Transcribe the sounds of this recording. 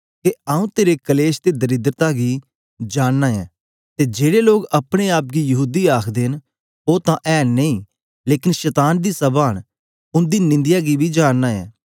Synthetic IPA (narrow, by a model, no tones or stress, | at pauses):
keaːũːt̪eːɾeːkəleːʃt̪eːd̪əɾɪd̪ɾət̪aːɡiː | d͡ʒaːnːaːjɛ̃ː | t̪eːd͡ʒeːɽeːloːɡəpɽ̃eːaːp̚ɡiːjəɦuːd̪iːaːkʰd̪en | oːt̪ãːʔɛːnːeĩː | leːkɪnʃɛːt̪aːnd̪iːsəbaːñ | ʊnd̪iːnɪ̃nd̪ɪjaːɡiːbiːd͡ʒaːnːaːɛ̰̃ː